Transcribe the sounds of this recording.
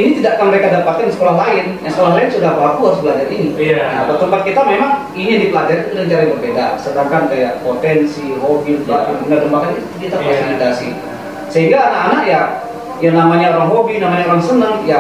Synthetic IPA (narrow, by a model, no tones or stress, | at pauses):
init̪idaʔkanməɾekadapat̪ɪnisə̥kolahɦlaɪnjaŋsəkolahlaɪnsudapəlakuaɾʊsbəlad͡ʒaɾinijat̪at̪əmpat̪̚kit̪amemaŋ | inijadipəlad͡ʒaɾit̪udaɲt͡ʃaɾajbərbeda̰sədaŋkandajaʔpot̪ɛnsiɦobiunt̪ua̰pibənardəmbakanit̪ut̪ukit̪aaasinadasḭ | səɦiŋɡaːnakanaʔja | jaŋnamaɲaoɾaŋɦobinamaɲaoɾaŋsənəŋja